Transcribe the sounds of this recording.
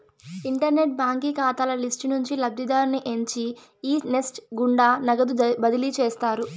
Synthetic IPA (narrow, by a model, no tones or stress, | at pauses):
iɳʈɐɾne̞ʈ̚baːŋkikaːt̪ɐlɐlisʈnuɲt͡ʃilɐb̪ʱid̪aːɾniʔe̞ɲt͡ʃi | iːnesʈɡuɳɖaːnɐɡɐd̪ubɐd̪ilit͡ʃeːst̪aːɾu